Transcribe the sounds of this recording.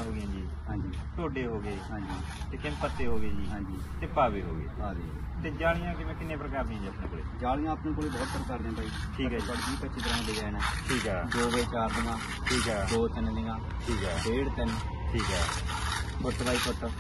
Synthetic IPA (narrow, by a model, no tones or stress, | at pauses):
ɦoːɡɪjãːd͡ʒiː | ɦãːɲd͡ʒiːt̪oːɖeːɦoːɡeːɦãːɲd͡ʒiː | t̪eːkɪmpət̪ːeːɦoːɡeːd͡ʒiːɦãːɲd͡ʒiːt̪eːpaːbeːɦo̰ːɡḛːaːd̪iːt̪eːd͡ʒaːlɪjãːkɪmɛ̃ːkɪnːẽːpɾəkaːɾd̪̃ãːd͡ʒiaːpneːkoːlḛːd͡ʒaːlɪ̃jãːəpnãːkoːleːbɔːt̪ːəɾkaɾd̪̃ãːt̪aːiːʈʰiːkɛsaɽkiːpətːʃʰiːt̪əɾãːleːd͡ʒɛːnɛ̃ːʈʰiːkɛːd̪oːbeːt͡ʃaːɾd̪ɪŋãː | ʈʰiːkɛːd̪oːt̪ɪnd̪ɪŋãː | ʈʰiːkɛːbeːɽt̪ɪn | ʈʰiːkɛː | kʊʈʰːbaːiːkʊʈʰə